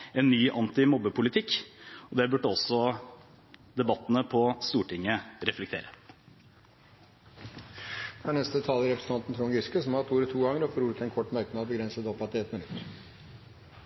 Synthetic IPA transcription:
ɛnːyːʔɑnt̪ɪmɔbːəpʰʊlɪt̪ʰɪkːɔd̪ɛbʉʈːəɔsːɔ | d̪ɛbɑt̪ːənəpʰɔst̪uːʈɪŋːəɾɛflɛk̚t̪ʰḛːɾə | fɑːnɛst̪ət̪ʰɑːlɪɾɛpɾəsn̩ɑnt̪n̩t̪ʰɾuːŋɡɾʏskəsɔmɑɑt̪uːɾət̪ʰuːɡɑŋːəɾɔfɔɾuːlɪt̪ɛnkʰɔʈːmœɾkəmɛɑt̪̚bəɡɾɛnsəd̪ɔpɑt̪ɪɛt̪mɪnʉt̪ː

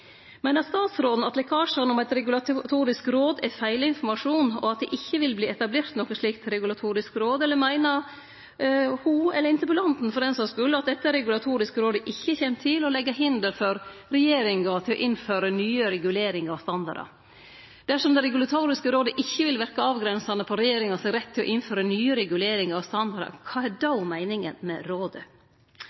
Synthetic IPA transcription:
mæɪnəɾst̪ɑːt̪sɾoːd̪n̩ɑt̪lɛkʰɑːʂəɾənɔmæɪt̪ɾɛɡʉlɑt̪ʰuːɾɪskɾoːd̪ɛfæɪləɪnfɔɾmɑʂuːnɔ̰ɑt̪̚d̪ɛʔɪçːəʋɪlbliːɛt̪ɑbleːɾt̪nɔkːəʂɭiːkt̪ɾɛɡʉlɑt̪ʰuːɾɪskɾoːd̪ɛlːəɾmæɪnə | huɛləɾɪnt̪əpɔlɑnt̪n̩fɔɾɛːnsɑskʉlːəɑt̪̚d̪ɛt̪ːəɾɛɡʉlɑt̪ʰuːɾɪskəɾoːd̪əʔɪçːəçɛːnt̪ʰːɪlɔlɛɡːəɦɪnd̪əlfɔɾɾɛjeːɾɪŋɑt̪ʰɪlɔ̰ʔɪnføːɾənyːəɾɛɡʉleːɾɪŋɑɑʋst̪ɑnd̪ɑ̰ɾɑ̰ | d̪̥æʂɔmd̪ɛɾɛɡʉlɑt̪ʰuːɾɪskəɾoːd̪əʔɪçːəʋɪlʋæɾkɑɑːʋɡɾɛnsɑnəpʰɔɾɛjeːɾɪŋɑsɛɡɾɛt̪ʰːɪlɔ̰ʔɪnføːɾənyːəɾɛɡʉleːɾɪŋɑɑʋst̪ɑnd̪ɑɾɑ̰kʰɑːæɖɑʊmæɪnɪŋə̰nmɛ̰ɾoːd̪ə

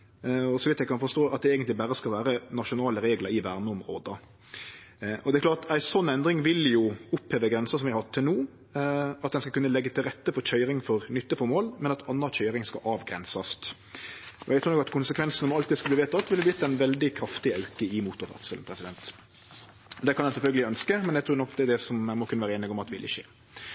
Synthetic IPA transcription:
ɔsɔmʋɪt̪ːæɪkʰɑnfɔʂt̪oːɑt̪̚d̪ɛeːɡənt̪lɪbæɾəskɑlʋæːɾənɑʂʊnɑːləɾeːɡləɾɪʋæʁnəʊmʁo̰ːd̪ə | ɔd̪ɛklɑːɾt̪æɪsɔnɛnd̪ɾɪŋʋɪljʊʊpheːʋəɡɾɛnsəsɔmjæɪhɑtt̪ʰːɪlnuː | ɑt̪̚d̪ɛnskɑkʉnːəlɛɡːət̪ʰɪlɾɛt̪ːəfɔɾc͡çʰœʏɾɪŋfɔʁnʏt̪ːəfɔmoːlmɛnɑt̪ʰɑnːɑçʰœʏɾɪŋskɑ̰ʔɑʋɡɾɛ̰nsɑst̪ | ɔ̰æɡt̪ɾuːnɔkɑt̪kʰʊnsəkʰʋɛnsn̩ɔmɔɑlt̪id̪skɑb̪iːʋeːt̪ːɑt̪ʋɪlhɛb̪ɪt̪ːɛɪnʋɛld̪ɪkʰɾɑft̪ɪœʉkəɪmuːt̪ʊʋæ̰t̪səln̩pʰɾɛsɪd̪ɛnt̪ | d̪ɛkʰɑnjæɪsɛlfœlɡəlɪœnskəmɛnjæɡt̪ʰuːɾnɔkd̪ɛd̪ɛsɔmæmɔkʰʉnəʋæːɾəeːnɪɡɔmɑt̪ːʋɪ̰lːɪ̰ʃḛː

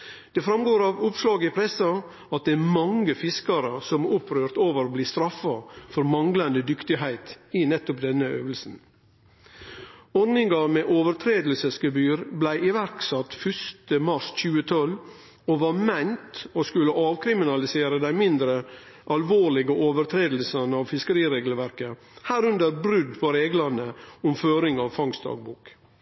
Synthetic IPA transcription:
d̪̥ɛfɾɑmɡoːɾɑʋʊpslɑːɡəɪpʰɾɛsɑ | ɑt̪̚d̪ɛːmɑŋəfɪskɑɾəsɔmʊpʰɾøːɾt̪oːʋəɾbliːst̪ɾɑfɑfɔɾmɑŋɡlɑnd̪əd̪ʏkt̪ɪɦæɪt̪ɪnɛt̪ːʊpd̪ɛnːəø̰ːʋəlsn̩ | ɔɾnɪŋɡɑmeːʔoːʋəɾt̪ʰɾeːd̪l̩səsɡəbyːɾblæɪʔɪʋæɾksɑt̪fœʂt̪əmɑsc͡çʉːət̪ʰɔl | oʋɑɾmæɪnt̪oskʉlːəʔɑːʋkʰɾɪmɪnɑlɪseːɾəd̪æɪmɪnd̪ɾə | ʔɑlʋoːlɪɡəʔoːʋəɾt̪ʰɾeːd̪l̩sɑnɑːʋfɪskəɾiːɾeːɡlʋæɾkə | hæːɾʉnd̪əɾbɾʉd̪pʰɔɾeːɡlɑnəɔmføːɾɪŋɑʋfɑŋsd̪ɑ̰ːɡ̚buːk

